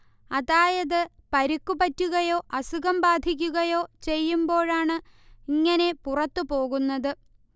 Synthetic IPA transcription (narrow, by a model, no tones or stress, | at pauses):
ɐðaːjɐðɨpɐɾikːupɐtːuɣɐjo̞ːʔɐsuɣɐmbaːd̪ʱik̬ʲːuɣɐjo̞ːt͡ɕe̞jːumbo̞ːɻaːɳɨiŋːɐne̞purɐt̪ːɨpo̞ːɣunːɐðɨ